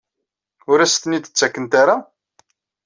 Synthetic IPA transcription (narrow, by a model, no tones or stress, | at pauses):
ʊɾæst̪ənid̪ə̥t͡sːækːənt̪aɾa